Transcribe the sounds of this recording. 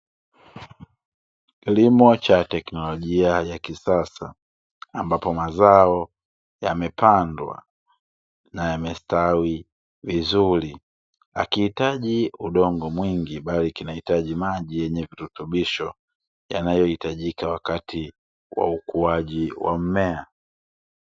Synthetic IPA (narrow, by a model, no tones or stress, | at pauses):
kilimɔt͡ʃatɛknɔlɔʄiajakisasaː | mbapɔmazaɔ | jamɛpandwa̰ | najamɛstawi | vizuli | a̰kihitaʄiuɗɔŋɡɔmwiŋɡiɓalikinahitaʄimaʄijɛɲɛviɾutuɓiʃɔ | ja̰najɔhitaʄikawakatʰi | wa̰ukuaʄiwa̰m̩mɛa